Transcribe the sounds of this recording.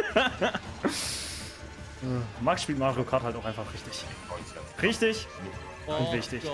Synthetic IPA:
aːmaksʃpiːltmaːʁiokʰaɐthaltaʊxʔaɪnfaχʁɪçtɪç | ʁɪçtɪç̥ | ʊntvɪçtɪç

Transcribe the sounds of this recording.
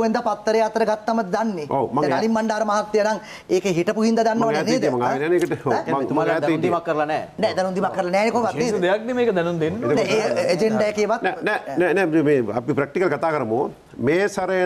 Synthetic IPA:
ʋend̪apat̪ːəɾejat̪əɾəɡat̪ːaməd̪d̪anːeoːmaŋɛnalimːaɳɖaːɾəmaɦat̪ːijənaŋ | eːkeɦiʈəpuɦind̪ɐd̪anːəʋɐneneːd̪maŋaːʋinɛːneːkəʈəomaumaːɾːnd̪imɐkːəɾlɐnɛːnɛd̪ɛnund̪imakːəɾəlanɛːnekoʋak̪ːneːd̪ejak̚nemeːkəd̪ɛnund̪enːd̪eːed͡ʒeɳɖajəkeːʋat̪nɛnɛnɛnɛumeːa̰pipɾɐk̚ʈikɐlkat̪aːkəɾəmoː | meːsɐɾəjə

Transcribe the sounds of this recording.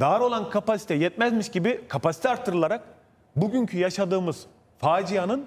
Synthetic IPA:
d̪aɾo̞lˠankʰapasi̥t̪ʰɛjɛt̪̚mɛzmiʃɟibikʰapasi̥t̪ʰɛaɾt̪ʰːɯɾɯlˠaɾak̚ | buɟyɲcʰyjaʃad̪ɯːmɯz̥ | faːd͡ʒijanɯn

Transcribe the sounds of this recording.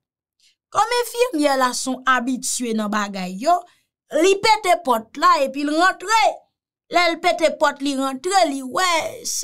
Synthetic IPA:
kɔmɛ̃fiʁmjɛlasɔ̃abitɥenɐ̃baɡajːo | lipetepɔt̚laepilɣãt̪ʁe | lɛlpetepɔtliʁãt̪ʁeliwɛs

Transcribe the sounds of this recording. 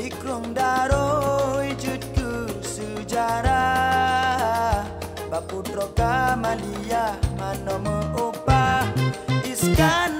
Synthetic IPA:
ikɾoŋdaɾoid͡ʒut̪̚kəsəd͡ʒaɾa | baputɾɔkamalijamanɔməopa | iskan

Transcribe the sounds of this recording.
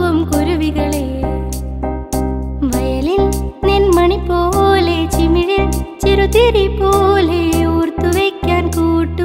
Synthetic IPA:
ʋɐmkuɾuʋiɣɐɭeː | ʋɐjɐlilnenmɐɳipoːlet͡ʃimiɻɐt͡ʃiɾut̪iɾipoːleuːrt̪uʋeːkːaːnkuːʈːu

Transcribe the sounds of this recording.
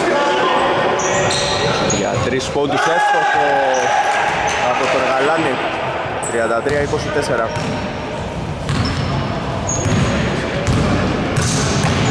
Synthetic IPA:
ʝɐ̰t̪ɾispond̪isosopo | ɐpot̪oɾɣalɐni | t̪ɾiɐnd̪ɐt̪ɾiɐiko̞sit̪eseɾɐ

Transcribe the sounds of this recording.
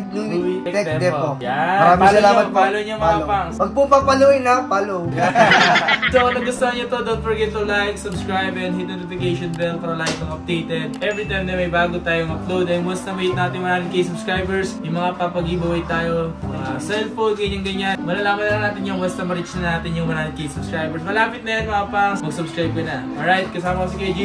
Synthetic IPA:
ɛɛd̪ɛojamɐɾaːmɐlaːmɐpaːloɲɐŋmɐapaŋpɐɡ̚pupɐŋpɐloɪnɐpalo | d̪oɐnɐɡʊst̪ohɐɲot̪od̪oonfɐɹɡɛt̪lolajksʊbskɹajbɛnhit̪̚noːt̪ɪfɪkejʃonbɛl̚kɐɾɐlajk̪ɐŋɐp̚d̪ejt̪ɛd̪̚ʔɛvɾit̪ajmd̪ɛmɐjbaːɡot̪aːjoŋmɐplowd̪ɐjŋwɛst̪ɐmɐjit̪̚naːt̪ɪŋmɐɾaːmɪŋkɐjsʊbskɹajbɛɹsjʊŋmɐŋakɐpɐɡibɐwɐjt̪aːjomɐŋasɛlfod̪̚kɐʔɪɲaŋɡɐɲanmɐlɐlaːmɐnɐɐnaːt̪ɪɲjʊŋwɛst̪ɐmɐɾit͡ʃnɐnaːt̪ɪɲjʊŋmɐɾaːmɪŋkɐjsʊbskɹajbɛɹsmɐlaːpɪt̪̚nɐjanmɐŋapaŋmɐɡsʊbskɹajb̚kɐnɐʔolajt̪̚kɐsaːmɐkosiked͡ʒi

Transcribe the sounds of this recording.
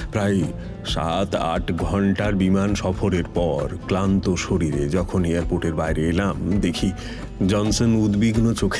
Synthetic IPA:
pɾaj | ʃa̰t̪a̰ʈɡʱɔɳʈaɾbimanʃɔfʰoɾeɾpɔɾklant̪oʃoɾiɾed͡ʑɔkʰonijaɾpoʈeɾbajɾeelamd̪ekʰi | d͡ʑɔnsonud̪biɡnot͡ɕokʰ

